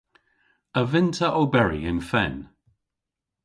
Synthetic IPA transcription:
əvɪ̃ntʰəʔɔbɛɹḭɪ̃nfɛ̰n

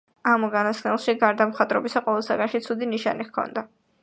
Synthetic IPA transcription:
amɡanasnɛlˠʃiɡaɾd̪amχat̪ʼɾɔbisaqʼɔvɛlˠsaɡanʃit̪sʰud̪iniʃa̰niχkʰɔ̰nd̪a

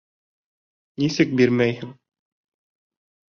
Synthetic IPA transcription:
nisɘk̚biɾmæjhɘŋ

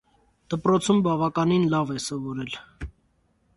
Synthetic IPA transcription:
d̪̥əpɾɔt͡sʰumbɑvɑkɑninlɑvɛsɔvɔɾɛl

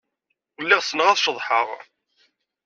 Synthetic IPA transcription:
əlːɪʁsənəʁæθʃəðˤħəʁ

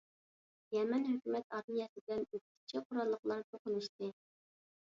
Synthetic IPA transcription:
jɛmɛnɦøkʲymɛt̪ɑɾmijɛsɪbd̪ɛnøk̚ʰʲi̥t͡ʃʰiqʰʊɾɑlˠːəχlˠɑɾt̪ʰoqʊnuʃt̪ɨ

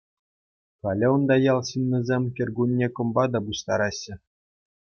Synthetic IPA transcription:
kɑlʲɘ̆ŏnd̪ɑjɑlˠɕɯnʲːɘ̆zʲemʲkʲɘ̆rʲɡunʲːekɤ̆mbɑd̪ɑbuɕt̪ɑɾɑɕːɘ̆

